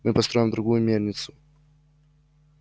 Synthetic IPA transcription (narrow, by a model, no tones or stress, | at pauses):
mɨpɐst̪ɾo̞jʲɪmd̪ɾʊɡujʊmʲerʲnʲɪt̪sʊ̥